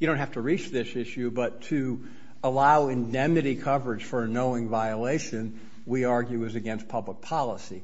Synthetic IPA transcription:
jɨɾõʊ̃nt̚hæftəɹit͡ʃðɪsɪʃʉbʌtʰɨ | əlaʊɨ̃ndɛ̃mɨɾikʰʌvə˞ɨd̥ʒ̥fə˞noʊɪ̃ŋvaɪəleɪʃɨ̃n | wiɑɹɡjʉɨzɨɡɛ̃nspʰʌblək̚pʰɑlˠəsi

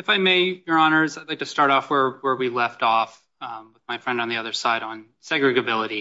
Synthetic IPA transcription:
ɨfaɪmeɪjə˞ɑnə˞zaɪdlaɪktʰɨstɑɹɾɔfwə˞wə˞wilɛftɔf | wəðmaɪfɹɛ̃nd̃n̩ðiʌðə˞saɪɾn̩ | sɛɡɹɨɡɨbɪlˠəɾi

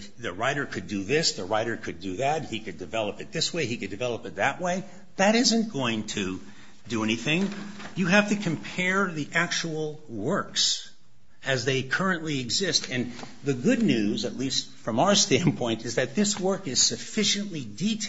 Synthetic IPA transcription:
ðɨɹaɪɾə˞kʰɨdɨðɪsðɨɹaɪɾə˞kʰɨdɨðɨt̚hikɨdɨvɛlˠəpɨt̪̚ðɪsweɪikɨdɨvɛlˠəpɨt̪̚ðɨʔ̚weɪ | ðɨɾɪzɨ̃nɡ̥oʊɪ̃ŋtʰɨ | dɨɛñiθɪ̃ŋjɨɦæftɨkʰɨ̃mpʰɛɹðiʔæk̚t͡ʃuwl̩ˠ | wɜ˞ks | ɨzðeɪkʰɜ˞ɨ̃nʔliɨɡzɪstɨ̃n | ðɨɡʊdⁿnʉzɨtˡlistfɹʌ̃maʊə˞stæ̃npʰɔ̃ɪ̃ntɨzðɨt̪̚ðɪswɜ˞kɨz̥sɨfɪʃɨ̃nʔliditʰ

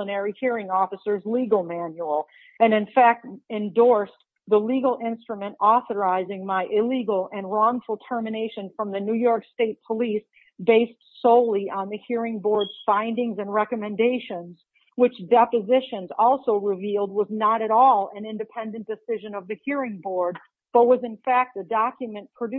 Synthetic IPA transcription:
ənɛɹihiɹɪ̃ŋɔfɨsə˞zliɡl̩ˠmæ̃njul̩ˠ | ɨ̃nɨ̃nfæk̚tɨ̃ndɔɹs | ðəliɡl̩ˠɪ̃nstɹ̥ɨmɨ̃ntɔθə˞aɪzɪ̃ŋmaɪʔɪliɡl̩ˠɨ̃nɹɔ̃ŋfl̩ˠtʰɜ˞mɨneɪʃɨ̃nfɹʌ̃mðɨnʉjɔɹksteɪt̚pʰəlis | b̥eɪstsoʊlˠiʔə̃nðɨhiɹɪ̃ŋbɔɹdz̥fãɪ̃ndɪ̃ŋzɨ̃nɹɛkɨmɨ̃ndeɪʃɨ̃nz̥ | wɨt͡ʃdɛpɨzɪʃɨ̃nzɔlˠsoʊɹɪvilˠd̚wʌznəɾɨɾɔlˠɨ̃nɪ̃ndɨpʰɛ̃ndɨ̃n̩d̥ɨsɪʒɨ̃nʌvðɨhiɹɪ̃ŋbɔɹd̚ | b̥ʌt̚wʌzɨ̃nfæk̚t̪̚ɨdɑkjɨmɨ̃npʰɹ̥ɨd

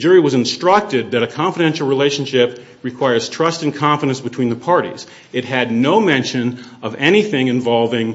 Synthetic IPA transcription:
d͡ʒʊɹiwʌzɨ̃nstɹ̥ʌk̚tɨd̪̚ðɨɾɨkʰɑ̃ɱfɨɾɛ̃nʃl̩ˠɹileɪʃn̩ʃɪp̚ | ɹɨkʰw̥aɪə˞z̥tʰɹ̥ʌstɨ̃nkʰɑ̃ɱfəɾɨ̃nsb̥ɨtʰw̥ĩnðəpʰɑɹɾḭz̥ | ɨt̚ɦɨdⁿnoʊmɛ̃nʃɨ̃nʌvɛñiθɪ̃ŋɨ̃ɱvɑlˠvɪ̃ŋ

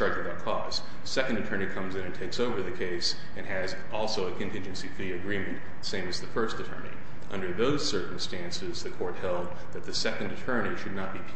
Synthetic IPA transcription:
ɑɹd͡ʒɨbaʊt̚kʰɔz̥ | sɛkɨ̃n̩dɨtʰɜ˞ñikʰʌ̃mzɨ̃ñɨ̃ntʰeɪksoʊvə˞ðɨkʰeɪs | ɨ̃nɨz | ɔlˠsoʊɨkʰɨ̃ntʰɪ̃nd͡ʒɨ̃nsifə˞ðiɨɡɹĩmɨ̃n | sẽɪ̃mɨzðɨfɜ˞stɨtʰɜ̰̃˞nḭ | ʔʌ̰̃ndə˞ðoʊz̥sɜ˞km̩stæ̃nsɨzðɨkʰɔɹt̚hɛlˠd̪̚ | ðɨt̪̚ðɨsɛkɨ̃n̩dɨtʰɜ̃˞niʃɨdⁿnət̚b̥ipʰ

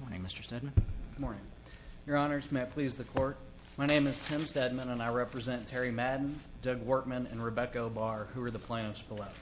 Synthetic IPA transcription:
mɔɹnɪ̰̃ŋmɪstə̥˞stɛd̚m̃n̩mɔɹnɪ̃ŋ | jə˞ɑnə˞zmeɪpʰl̥izðɨkʰɔɹt̚ | maɪnẽɪ̃mɨz̥tʰɪ̃mstɛd̚mɨ̃nə̃naɪɹɛpɹɨzɛ̃ntʰɛɹimædⁿn̩dʌɡwɔɹt̚mɨ̃nɨ̰̃nɹɨbɛkoʊbɑɹhʉə˞ðəpʰl̥ẽɪ̃nʌv̥spəlˠoʊ

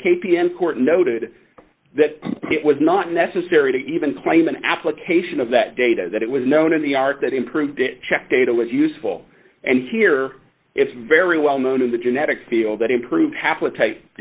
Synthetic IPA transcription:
kʰeɪpiɛ̃nkʰɔɹtⁿnoʊɾɪd̪̚ | ðɨɾɪʔ̚wʌznətⁿnɛsɨsɛɹiɾɨʔivɨ̃nkʰl̥ẽɪ̃mɨ̃næ̰pləkʰeɪʃɨ̃nʌvðɨt̚d̥eɪɾɨ̰ðɨɾɨt̚wʌznõʊ̃ñɨ̃nðiɑɹt̪̚ðɨɾɨ̃mpʰɹ̥ʉvdt͡ʃʰɛk̚d̥eɪɾəwʌzjʉsfl̩ˠ | ʔɨ̃nhiɹ | ʔɪtsvɛɹiwɛlˠnõʊ̃nɨ̃nðɨd͡ʒɨnɛɾɨkfilˠd̪̚ðɨɾɨ̃mpʰɹ̥ʉvd̥̚hæplətʰaɪt̚

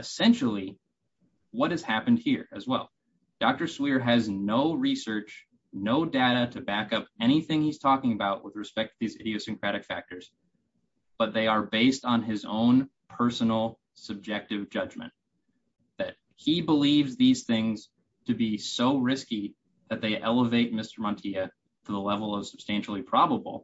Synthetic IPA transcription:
ɨsɛ̃nʃl̩ˠi | wʌt̚hɨz̥hæpɨ̃n̩d̚hiɹɨzwɛ̰lˠ | d̥ɑk̚tə˞swiɹɨznoʊɹisɜ˞t͡ʃ | noʊdeɾɨɾɨbækʌpɛɾ̃iθɪ̃ŋhiz̥tʰɔkɪ̃ŋɨbaʊʔ̚wəðɹɨspɛk̚tʰɨðizɪ̰ɾioʊsɨ̃ŋkʰɹ̥æɾɨkfæ̰k̚tə˞z̥ | b̥ʌt̪̚ðeɪə˞beɪstn̩ɪzõ̰ʊ̃n | pʰɜ˞sn̩l̩ˠ | sɨb̚d͡ʒɛk̚tɨvd͡ʒʌd͡ʒmɨ̰̃n | ðɨt̚ | hibəlivzðiz̥θɪ̃ŋz̥ | tʰɨbisoʊɹɪski | ðɨt̪̚ðeɪʔɛlˠəveɪt̚mɪstə˞mɑ̃ntʰiɨ | ɾʰəðəlɛvl̩ˠʌv̥səb̥stæ̃nʃl̩ˠipʰɹ̥ɑbəbl̩ˠ

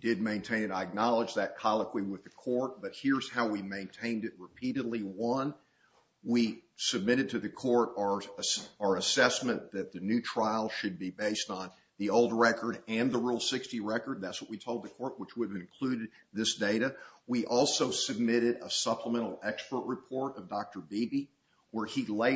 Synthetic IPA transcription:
d̥ɪd̚mẽɪ̃ntʰẽɪ̃nɨ̃naɪɨk̚nɑlˠəd͡ʒðɨt̚kʰɑlˠəkʰwiwɨðɨkʰɔɹt̚b̥ʌt̚hɪɹz̥haʊwimẽɪ̃ntʰẽɪ̃ndɨt̚ɹəpʰiɾɨdˡliwʌ̃n | wisɨb̚mɪɾɨd̚tʰɨðɨkʰɔɹɾə˞ə˞ɨsɛsmɨ̃nðɨt̪̚ðɨnʉtʰɹ̥aɪl̩ˠʃɨd̚bibeɪstn̩ | ðioʊlˠd̚ɹɛkə˞ɾɨ̃nðəɹulˠsɪkstiɹɛkə˞d̪̚ðætswʌʔ̚witʰoʊlˠd̪̚ðɨkʰɔɹʔ̚wət͡ʃwʊɾɨvɨ̃nkʰl̥ʉɾɨd̪̚ðɪsd̥eɪɾɨwiʔɔlˠsoʊsɨb̚mɪɾɨɾəsʌpʰləmɛ̃ɾ̃l̩ˠɛkspə˞ʔɹɨpʰɔɹɾʌvdɑk̚tə˞bibi | wə˞ileɪ

